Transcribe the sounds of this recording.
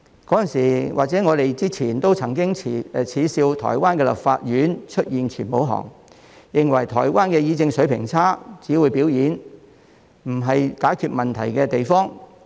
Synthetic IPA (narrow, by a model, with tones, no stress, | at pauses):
kɔː˨˥jɐ˨nsiː˨˩wʔaː˨k̚t͡sɛː˨˥ŋɔː˨˧ɾe˨jt͡siː˥t͡sʰiː˨˩nt̪o˥wt͡sʰɐ˨˩ŋk̬ɪ˥ŋt͡sʰiː˨˧siː˧wt̪ʰɔ̰ː˨˩jwaː˥nkɛː˧lɐ̰˨p̚faː˧t̚jyː˨˥nt͡ʃʰɵ˥t̚jiː˨nt͡ʃʰyː˨˩npo˨˥wɦɔ̰ː˨˩ŋ | jɪ˨ŋwɐ˨˩jt̪ʰɔː˨˩jwaː˥nkɛː˧jiː˧t͡sɪ˧ŋsɵ˨˥pʰɪ̰˨˩ŋt͡sʰaː˥t͡siː˨˥wu˨˧˥jpi˨˥wjiː˨˥n | m̩˨˩ɦɐ˨jkaː˨˥jkʰyː˧t̚mɐ˨nt̪ʰɐ̰˨˩jkɛː˧t̪e˨jfɔː˥ŋ